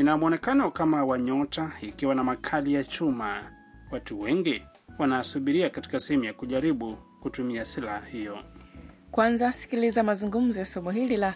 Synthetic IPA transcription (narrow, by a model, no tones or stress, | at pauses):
inamuɔnɛkanɔkamawaɲɔtaikiwanamakʰalijat͡ʃuma | watuwɛŋɡi | wanasuɓiɾiakati̥kasɛhɛmujakuʄaɾiɓukutumiasilahahijɔ | kwanzasi̥kilizamazuŋɡum̩zɔjasɛmuɦilila